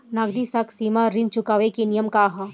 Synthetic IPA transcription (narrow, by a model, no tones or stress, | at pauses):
naɡd̪isaksiːmaɾĩnt͡ʃʊkaːʋekinijəmkaɦɐ